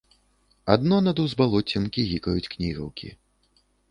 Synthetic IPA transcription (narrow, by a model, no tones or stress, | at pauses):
a̰d̪nɔnɐd̪uwzbalˠɔt͡sʲɐmkʲiɣʲikɐjut͡sʲknʲiɣɐ̰wkʲḭ